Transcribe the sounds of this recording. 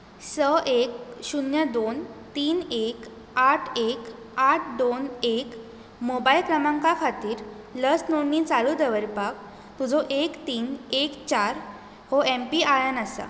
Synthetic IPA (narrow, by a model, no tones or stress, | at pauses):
səʔek̚ɕunjəd̪ont̪iːnek | aʈʰek | aʈʰd̪onek | mobailkɾəmãŋkakʰat̪iːɾ | ləsnonːiːt͡saɭud̪əʋəɾpak̚ | t̪ud͡zʱɔʔekt̪iːnekt͡ɕaɾ | hɔempiajənəsa̰